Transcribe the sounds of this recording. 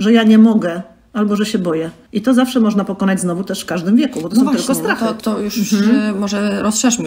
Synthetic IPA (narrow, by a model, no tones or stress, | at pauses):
ʐɛjaɲɛmɔɡɛ | albɔʐɛɕɛbɔjɛ | ʔit̪ɔzafʂɛmɔʐnapɔkɔnad͡ʑznɔvut̪ɛʂfkaʐd̪ɘmvʲjɛkubɔt̪ɔsɔw̃t̪ɪlkɔst̪ɾaxtt̪ɔjuʂ̩mmɔʐɛɾɔsʂɛʂm